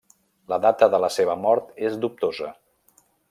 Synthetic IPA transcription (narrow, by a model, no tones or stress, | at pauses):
ləðat̪əðələseβ̞əmɔɾt̪ezd̪up̚t̪ozə